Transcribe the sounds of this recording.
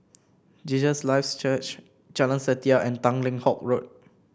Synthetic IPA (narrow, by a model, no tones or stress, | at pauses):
d͡ʒid͡ʒəslaɪfst͡ʃət͡ʃ | t͡ʃɛlə̃nsətiaʔɛ̃ntãŋlĩŋhɔk̚ɹot̚